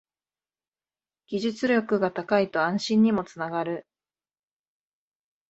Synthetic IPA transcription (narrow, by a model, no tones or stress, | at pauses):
ɡ̥ʲiʑɨt͡sɨɾʲokɯ̟ɡat̪akait̪o̞ãɰ̃ɕĩɲ̟ːimo̞t͡sɨnaɡaɾɯ̟